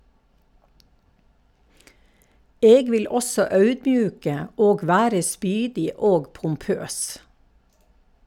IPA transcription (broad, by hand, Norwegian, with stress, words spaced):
ˈeːɡ ˈʋɪl ˈɔsɔ ˈɑʉdˌbjʉːkə ˈoːɡ ˈʋæːɾə ˈspyːdɪ ˈoːɡ pʊmˈpøːs